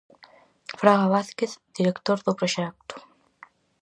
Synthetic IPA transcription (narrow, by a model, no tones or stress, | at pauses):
fɾaɣaβaθkeθd̪̥iɾekt̪oɾðʊpɾoʃɛk̚t̪u̥